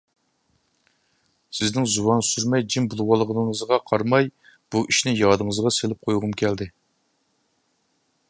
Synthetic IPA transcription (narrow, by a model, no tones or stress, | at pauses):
sɪznɪŋzuwɑnsyɾmɛjd͡ʒimbulˠwɑlˠəʁənəŋəzʁɑqʰɑɾmɑj | b̥uʔiʃnɪjɑːd̪əŋəzʁɑselɪp̚qʰojʁʊmkʲʰɛld̪ɪ